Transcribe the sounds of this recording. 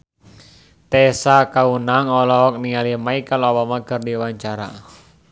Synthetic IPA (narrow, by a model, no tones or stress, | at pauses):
t̪ɛsakaunaŋɔlɔɔk̚niŋalimaikaloɔbamakərdiwaɲt͡ʃaɾa̰